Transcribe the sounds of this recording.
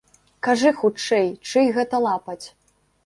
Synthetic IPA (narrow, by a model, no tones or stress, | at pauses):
kaʐɨxut͡ʂɛjt͡ʂɨjɣɛt̪ɐlˠapɐt͡sʲ